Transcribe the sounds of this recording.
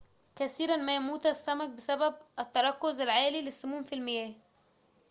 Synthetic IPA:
kæθiːɾænmæjæmuːt̪æsːæmæk̚bɪsæbæb̚ʔæt̪ːɑɾˤɑkːʊzælʕaːlilɪsːʊmuːmfilmɪjæː

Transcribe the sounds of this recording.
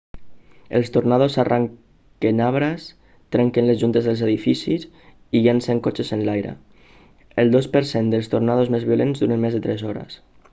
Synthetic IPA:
ḛlˠst̪oɾnað̞osarʔaŋ | kenaβɾas | t̪ɾɛŋkenlezʒunt̪ezðəlˠzeðifisis | iɣenseŋkot͡ʃesenlajɾə̰ | elˠd̪ospəɾsend̪əlˠst̪ornaðozmezβiolenzd̪uɾenmezðet̪ɾɛzɔɾḛs

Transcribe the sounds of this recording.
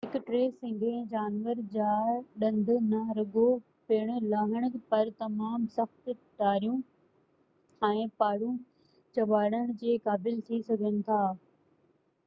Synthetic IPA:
ɦɪkʈɾeːsɪ̃ŋɡʱẽd͡ʑaːnʋəɾd͡ʑaːɗɐ̃nd̪ʱʊnɐɾɐɡo | peːɽ̃̆laːɦɪɽ̃pɐɾt̪ɐmaːmsɐxt̪ʈaːɾijũ | ɛ̃ːpaːɽũ | t͡ɕɐbaːɽəɽ̃̆d͡ʑeːkaːbɪlt̪ʰisɐɡʱənɪ̆t̪ʰaː

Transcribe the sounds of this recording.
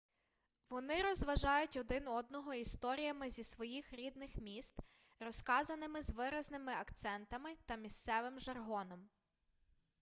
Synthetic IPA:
ʋɔnɪɾɔzʋɐʒɑjʊtʲɔd̪ɪnɔd̪nɔɦɔist̪ɔɾʲijɐmɪzʲisʋɔjixɾʲid̪nɪxmʲist̪ | rɔskɑzɐnɪmɪzʋɪɾɐznɪmɪɐkt̪sɛnt̪ɐmɪt̪ɐmʲist̪sɛʋɪmʒɐrɦɔnɔm

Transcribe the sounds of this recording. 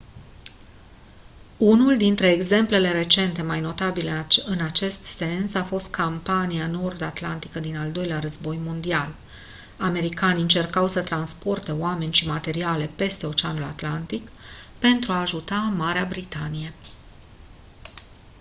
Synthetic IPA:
unuld̪int̪ɾe̞ːɡze̞mple̞le̞ɾe̞t͡ʃe̞nt̪e̞majno̞t̪abileɨnat͡ʃe̞st̪se̞nsafo̞st̪̚kʰampaniano̞rd̪at̪lant̪ikəd̪inald̪o̞jleaɾəzbo̞jmond̪ial | ame̞ɾikaniɨnt͡ʃe̞rkawsət̪ɾanspo̞rt̪e̞oame̞nʲʃimat̪e̞ɾiale̞pe̞st̪e̞o̞t͡ʃeanula̰t̪lant̪ikpe̞nt̪ɾuaːʒut̪amaɾeabɾit̪anije̞

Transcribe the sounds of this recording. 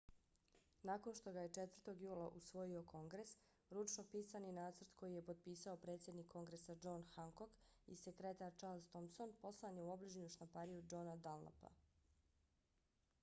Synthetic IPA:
naːko̞nʃt̪o̞ɡaje̞t͡ʃe̞t̪vər̩t̪o̞ɡjuːlˠaʔusʋo̞jio̞kʰo̞ŋɡɾe̞s | ɾut͡ʃno̞piːsaninaːt̪srt̪kʰo̞jije̞po̞d̪̚piːsao̞pɾe̞ːt̪sʲje̞d̪nikʰːo̞ŋɡɾe̞sad͡ʒo̞nxaŋko̞kḭsekɾet̪aɾt͡ʃaɾlˠzt̪omso̞npo̞slˠaneuo̞bliʒɲuʃt̪ampaɾijud͡ʒo̞nad̪alna̰pa̰

